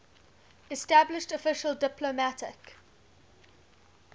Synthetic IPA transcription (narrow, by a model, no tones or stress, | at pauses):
ɛstæblɪʃtəfɪʃəldɪpʰlomætɪk